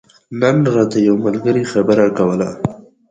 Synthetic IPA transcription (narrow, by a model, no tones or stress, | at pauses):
nanɾad̪ajawmalɡəɾixabəɾakawəla